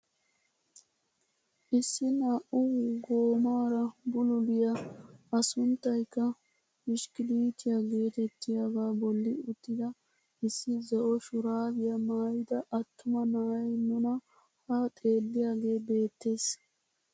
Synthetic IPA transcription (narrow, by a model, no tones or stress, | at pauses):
ʔɪsːɪnaːʔʊɡoːmaːɾɐbʊlʊlɪjaɐsʊnt̪ːɐjkːɐ | mɪʃkɪliːt̪ɪjaɡe̞ːt̪ɛt̪ːɪjaɡaːbɔlːɪʊt̪ːɪd̪ɐ | ɪsːɪzɔʔɔʃʊɾaːbɪjɐmaːjɪd̪ɐʔɐt̪ːʊmɐnaːjnʊnɐ | hat̪ʼe̞ːlːɪjaːɡe̞ːbe̞ːt̪ːe̞ːs